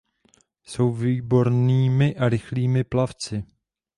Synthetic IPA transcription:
so̞wviːbo̞ɾniːmɪʔaɾɪxliːmɪplaft͡sɪ

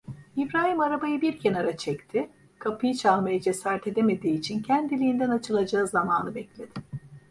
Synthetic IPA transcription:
ifɾaːɦimaɾabajɯbiɾcʰenaɾat͡ʃʰɛct̪ʰɪ | kʰapʰɯjɯt͡ʃʰahmajɛd͡ʒɛsaɾt̪ʰe̞d̪eme̞d̪iːt͡ʃʰincʰænd̪ilʲijːnd̪ænat͡ʃʰɯlˠad͡ʒaɯzamaːnɯbɛclʲed̪̥ɪ

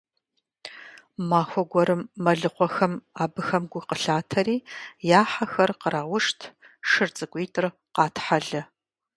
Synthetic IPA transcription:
maːxʷɔɡʷɔɾɨmːɐɮɨqʷɔxɐmaːbɨxɐmɡʷʊqəɬaːtʰɐɾiːjaːħaxɐrqəɾʔaːwʊʂtʰ | ʂɨrt͡sʼɨɡʷeːtʰʼɨr | qɑːtʰħaɮɐ

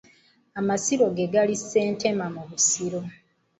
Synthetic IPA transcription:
amasiɾo̞ɡeɡalisːe̞ːnte̞mamuβusiɾo̞

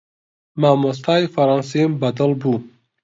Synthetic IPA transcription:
mamos̬t̪ʰɑːifɐɾɑnsimbad̪əlbu

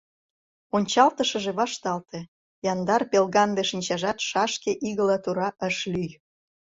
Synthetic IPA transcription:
onʲt͡ɕɑlt̪əʃəʒeβɑʃt̪ɑlt̪e | jɑnd̪ɑrpelɣɑnd̪eʃinʲt͡ɕɑʒɑt̪ʃɑʃkeʔiɣəlɑt̪uɾɑʔəʃlyj

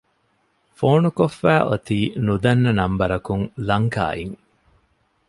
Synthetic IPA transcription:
foːnukofːæːʔot̪iːnud̪ɐnːɐnɐmbɐɾɐkuŋlɐŋka̰ːiŋ

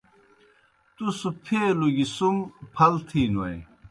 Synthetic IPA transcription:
t̪usupʰeːluɡisumpʰɐlt̪ʰiːnuɐj

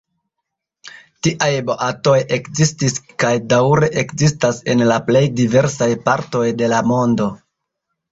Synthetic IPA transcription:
tiʔajbo̞ʔato̞je̞kzistiskajdawɾe̞ʔekzistase̞nlaple̞jdive̞ɾs̬ajpaɾto̞jde̞lamo̞ndo̞

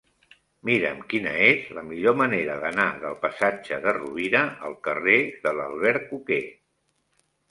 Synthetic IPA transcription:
miɾəmkinə̰ezləmiʎoməneɾəðənaðəlˠpəsad͡ʒəðəruβinəʔəlˠkəreðələlˠβɛɾkuke

